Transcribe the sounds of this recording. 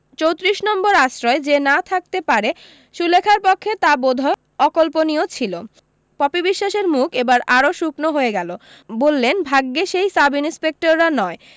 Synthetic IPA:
t͡ɕowt̪ɾiʃnɔmboɾaʃɾɔed͡ʑenat̪ʰak̚t̪epaɾe | ʃulekʰaɾpokʰːet̪abod̪ʱa | ɔkolponiot͡ɕʰilo | pɔpibiʃːaʃeɾmukebaɾaɾoʃuknoɦoeɡɛlo | bolːenbʱaɡːeʃejsabininspek̚ʈoɾːanɔe

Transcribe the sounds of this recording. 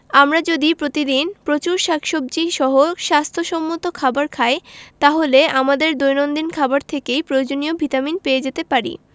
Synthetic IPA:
amɾad͡ʑod̪ipɾot̪id̪inpɾot͡ɕuɾʃakʃob̚d͡ʑiʃɔɦoʃast̪ʰoʃɔmːot̪okʰabaɾkʰaet̪aɦoleamad̪eɾd̪ojnond̪inkʰabaɾt̪ʰekejpɾojod͡ʑoniobʱit̪aminpeed͡ʑet̪epaɾḭ

